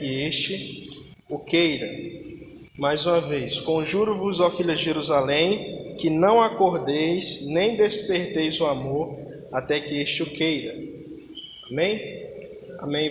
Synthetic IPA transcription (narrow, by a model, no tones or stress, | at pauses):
kɪeʃt͡ʃɪ | ʊkejɾɐ | majzũmɐvejskõʒuɾʊvʊzawfiʎɐd͡ʒɪʒeɾuzalẽj̃kɪnɐ̃w̃akoɾd̪ejsnẽj̃d̪espeɾt̪ejzʊamoɾ | at̪ɛkɪest͡ʃɪʊkejɾɐ | amẽj̃ | a̰mẽj̃